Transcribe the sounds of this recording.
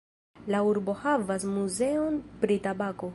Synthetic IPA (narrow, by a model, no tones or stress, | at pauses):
lauɾbo̞havasmuzeonpɾitabako̞